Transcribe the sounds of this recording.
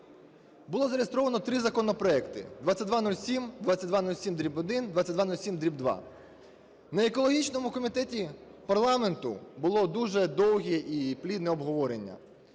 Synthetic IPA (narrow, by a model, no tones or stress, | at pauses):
bʊlˠɔzɐɾʲejest̪ɾɔʋɐnɔt̪ɾɪzɐkɔnɔpɾɔɛkt̪ɪ̰d̪ʋat͡sʲɐt̚ʲd̪ʋanulʲsʲimd̪ʋatt͡sʲːɐt̚ʲd̪ʋanulʲsʲimd̪ɾʲibɔd̪ɪnd̪ʋatt͡sʲɐd̪ʋanulʲsʲimd̪ɾʲibd̪ʋɑ̰ | nɐekɔlˠɔɦʲit͡ʃnɔmʊkɔmʲit̪ɛtʲipɐrlˠɑment̪ʊbʊlˠɔd̪uʒɛd̪ɔwɦʲɛʔiplʲid̪nɛɔbɦɔʋɔɾenʲːɐ̰